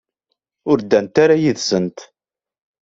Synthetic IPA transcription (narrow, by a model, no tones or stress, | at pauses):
ʊɾd̪ːænt̪aɾajiðsənt̪